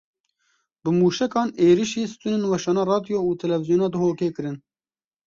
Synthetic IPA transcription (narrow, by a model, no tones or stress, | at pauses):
bɨmuːʃɛkɑːneːɾiʃiːsɨ̥t̪unɨnwɛʃɑːnɑːrɑːd̪ijoːuːt̪ʰɛlɛvizjoːnɑːd̪ɨɦoːkeːkɨɾɨn